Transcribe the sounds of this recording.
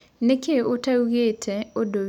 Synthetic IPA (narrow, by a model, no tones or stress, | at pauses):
nekeotauɣetʰɛodo